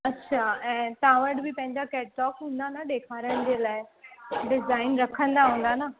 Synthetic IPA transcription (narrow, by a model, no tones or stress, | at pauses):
ɐtːɕʰaɛ̃ːt̪ãʋəʈbʱipɐ̃ɦɪ̃ɲd͡ʑakɛːʈ̚ʈɔːkɦũːnd̪anaɗekʰaɾəɽ̃d͡ʑelaːɪɖɪzaːɪnɾɐkʰə̃nd̪aɦũːn̆d̪ana